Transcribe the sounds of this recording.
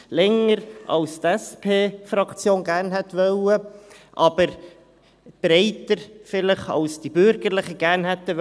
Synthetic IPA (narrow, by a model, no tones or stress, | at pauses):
lɛŋəɾʔɑ̰lst̪ɛspʰeːfɾɑkt͡sjoːnɡæːɾnɦɛt̪ʋœwə | ʔɑbəɾ | b̥ɾɛɪtəɾfɪləχɑ̰lsd̥ibʏɾɡəɾlɪχəɡ̥æːɾnɦɛt̪ːə